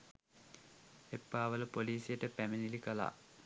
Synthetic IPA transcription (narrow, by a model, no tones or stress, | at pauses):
epːaːʋələpoliːsijəʈəpæmenilikəla̰ː